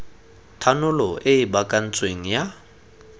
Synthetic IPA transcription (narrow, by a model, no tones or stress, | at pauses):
tʰanʊlɔʔɪɪbakʼan̩t͡sʼweŋ̩ja